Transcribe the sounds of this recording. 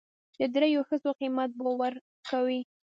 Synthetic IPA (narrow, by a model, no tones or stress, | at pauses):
d̪̥əd̪ɾejoxəzoqimat̪̚bowaɾ | kawi